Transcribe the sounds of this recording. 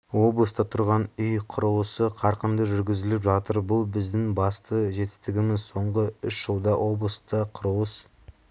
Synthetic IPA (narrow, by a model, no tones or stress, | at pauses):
wo̞blˠəst̪ɑt̪ʰʊɾʁɑnʏjqʰʊɾəlˠəsəqʰɑɾqənd̪əʒʏɾɡʲɪzɪlɪpʒɑt̪əɾbʊlˠbɪzd̪ɪŋbɑst̪əʒe̞t̪ɪ̥st̪ɪɡʲɪmɪzso̞ɴʁəʏʃʒ̥əlˠd̪ɑwʔo̞blˠəst̪əqʰʊɾəlˠəs